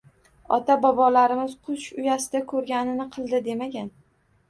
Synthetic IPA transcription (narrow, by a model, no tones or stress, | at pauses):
ɒt̪ʰabɒbɒlaɾɪmɪz̥qʰʊʃʊjasɪd̪akʰɵɾɡʲanɪnɪqʰɨlˠd̪ɪd̪e̞maɡʲan